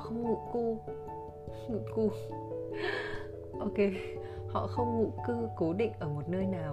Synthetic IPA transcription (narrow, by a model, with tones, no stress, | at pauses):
xə˧wŋ͡mŋṵ˧˨ku˧ | ŋṵ˧˨ku˧ | ʔo˧ke˧ | hɔ̰˧˨xə˧wŋ͡mŋṵ˧˨kɨ˧ko˨˦ɗḭ̈˧˨ŋ̟ʔəː˧˩mo˨˩t̚nəː˧jnaː˨˩w